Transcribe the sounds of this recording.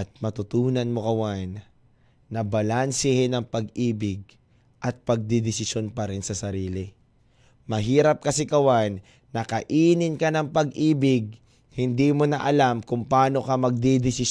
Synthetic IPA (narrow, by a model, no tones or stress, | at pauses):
t̪̚mɐt̪ʊt̪uːnɐnmo̞kɐwanː | ɐbɐlansɪhɪnɐŋpɐɡʔiːbɪɡ̚ | ʔɐt̪̚pɐɡ̚d̪ɪd̪ɪsɪʃjo̞npɐɾɪnsɐsɐɾiːlɪ | mɐɦiːɾɐp̚kɐsɪkɐwanː | ɐkɐʔiːnɪnkɐnɐŋpɐɡʔiːbɪɡ̚ | hɪnd̪imonɐʔɐlamkʊŋpaːno̞kamɐɡ̚d̪id̪ɪsɪ